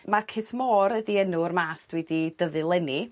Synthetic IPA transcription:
makʰɪsmɔːɾədiɛnʊrmaːθd̥wɛdid̥əðɨlˠɛni

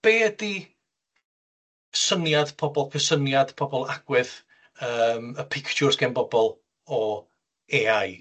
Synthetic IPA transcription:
b̥eːdi | sənjad̥pʰɔbɔlˠkʰəsənjad̥pʰɔbɔlˠaɡ̥wɪð | əːməpʰɪkʰt͡ʃʰʊrsɡ̥ɛnbɔbɔlˠ | ɔ | eːaj

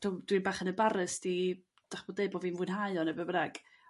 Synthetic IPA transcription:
tʰʊmd̥winbaːχənəbaɾɨsd̥i | d̥aχb̥oːdeɨbovinvʊnɦaɨɔnɛbəbəɾaɡ̥

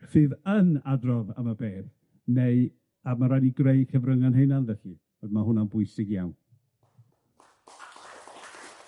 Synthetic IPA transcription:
sɨːðənadrɔvə̰məbeːθ | neɨ | amaɾadiɡrejkʰəvrəŋanɦejnanvɛɬi | ɔðmahʊnanbʊɨsɪɡjawn

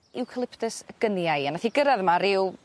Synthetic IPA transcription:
ɪwkʰəlˠɪpʰtəsəɡ̥ənjaɨanaθiɡəɾaðmaɾɪw

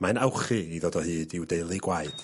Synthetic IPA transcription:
manawχɨiðɔːdɔhɨːdɪwdeɨlˠɨɡwaɨd̥

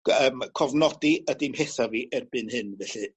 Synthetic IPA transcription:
əːmkʰɔvnɔdiədɪmheθaviʔɛrbɨnhɨnvɛɬɨ

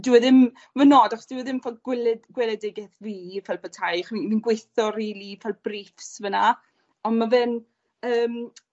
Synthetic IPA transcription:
dɪwɛðɪm | vənɔːdaχɔsd̥ɪwɛðɪmfɔɡwɛlɛɡ̥wɛlˠɛdɪɡɛθviːfɛlˠpʰətʰajχniminɡweθɔriːlifɛlˠbriːfsvəna | ɔnmavɛn | əːm

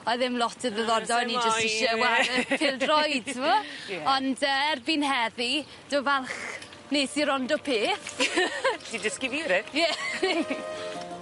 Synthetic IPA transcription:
ɔɨðɪmlˠɔtʰəðəðɔrdɔjnid͡ʒəsɪʃəwaəkʰɪlˠdrɔjd̥̚tʰɪmɔɔndəːɛrbinhɛði | d̥ovɛlˠχ | neːsiɾɔndɔpʰeːθ | did͡ʒəskɪvɪɾɪjɛ

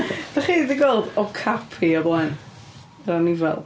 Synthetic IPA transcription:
dɛχiːðiɡolˠdɔkʰapʰiɔblˠan | ɾanivɛ̰lˠ

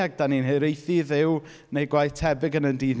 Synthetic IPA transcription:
aɡ̚d̥aninhɨɾejθiðɪw | nejɡwajθtʰɛbɪɡənəndiːð

